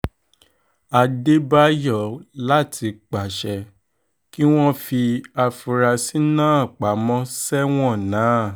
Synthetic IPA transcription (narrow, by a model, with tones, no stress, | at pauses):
a˧de˦ba˦jɔ˦˨la˦tʰi˧k͡pa˨ʃɛ˧ | ki˦w̃ɔ̃˦fi˧a˧fu˧ɾa˧si˦nãː˦˨k͡pa˨˦mɔ̃˦sɛ˦w̃ɔ̃˦˨nãː˨˦˨